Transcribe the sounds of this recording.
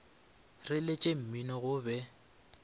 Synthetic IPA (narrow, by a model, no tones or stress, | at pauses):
rɪlet͡ʃʼem̩minɔɣʊbɛ